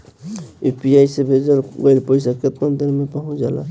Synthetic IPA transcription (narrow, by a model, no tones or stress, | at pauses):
upiajsebʱed͡ʒəlɡəjlpəjsaket̪mənd̪əɾmepaɦũd͡ʒala̰